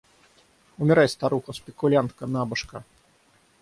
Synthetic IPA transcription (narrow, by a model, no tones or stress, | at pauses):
umʲɛɾajʲst̪aɾuxɐspʲɛkulʲant̪kɐnabɐʂkɐ